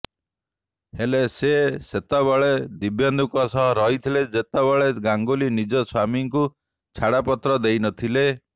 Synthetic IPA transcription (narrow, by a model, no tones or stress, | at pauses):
heleseset̪ɔβaɭed̪ibjɔnd̪ukɔsɔɦɔɾɔɦit̪ʰiled͡ʒet̪ɔβaɭeɡaŋɡolinid͡ʒɔswamiŋku | t͡ʃʰaɽapɔt̪ɾɔd̪ejnɔt̪ʰile